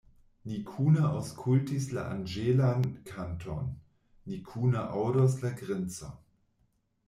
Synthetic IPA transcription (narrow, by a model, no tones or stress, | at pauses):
nikʰuːnaʔaʊskʰultisla̰ʔa̰nd͡ʒelankʰantʰɔ̰nː | ikʰuːnaʔawdos̬laɡʁɛnt͡sa̰